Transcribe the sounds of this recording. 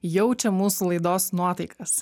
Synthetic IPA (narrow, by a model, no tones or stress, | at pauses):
jɛʊt͡ʃʲɛmuːsulˠɐɪd̪oːsnuɔt̪ɐɪkɐs